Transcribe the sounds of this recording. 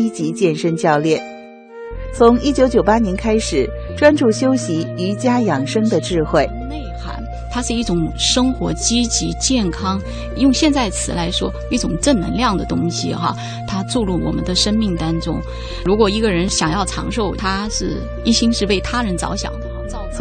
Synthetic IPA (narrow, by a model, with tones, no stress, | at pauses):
i˥t͡ɕi˧˥t͡ɕjɛ˥˩nʂə˥nt͡ɕjɑ˥˧ʊljɛ˥˩n | t͡sʰʊ˧˥ŋi˥t͡ɕjo˧˥ʊt͡ɕjo˨˩ʊpa˥njɛ˧˥nkʰa˥ɪʂɻ̩˨˩˦ʈ͡ʂwa˥nʈ͡ʂu˥˩ɕjo˥ʊɕi˧˥y˧˥t͡ɕja˥jɑ˨˩ŋʂɤ˥ŋd̪ə˨ʈ͡ʂɻ̩˥˧xwe˥˩ɪne˥˩ɪxa̰˧˥n | t̪ʰa˥ʂɻ̩˥˧i˥˩ʈ͡ʂʊ˨˩˦ŋʂɤ˥ŋxwɔ̰˧˥t͡ɕi˥t͡ɕi˧˥t͡ɕjɛ˥˩nkʰɑ˥ŋ | jʊ˥˧ŋɕjɛ˥˧nt͡sa˥˩ɪt͡sʰɹ̩˨˩la˧˥ɪʂwɔ˥ | i˥˩ʈ͡ʂʊ˨˩ŋʈ͡ʂə˥˩nnə̰˧˥ŋljɑ˥˩ŋd̪ə˩t̪ʊ˥ŋɕḭ˨˩xɐ̰˧˩ | t̪ʰa˥ʈ͡ʂu˥˧ɻu˥˩wɔ̰˨˩mə̰˦nd̪ə˧ʂə˥nmi˥˩ŋt̪ɑ˥ŋʈ͡ʂʊ̰˥ŋ | ɻu˧˥kwɔ˨˩i˧˥ɡə˧ɻə˧˥nɕjɑ˨˩ŋjɑ˥˩ʊʈ͡ʂʰɑ̰˧˥ŋʂo˥˩ʊt̪ʰa˥ʂɻ̩˥˩ | i˥˩ɕi˥ŋʂɻ̩˥˧we˥˩ɪt̪ʰa˥ɻə˧˥nt͡sɑ̰˧˥ʊɕjɑ̰˨˩ŋd̪ə˦˥t͡sɑ˧˩ʊ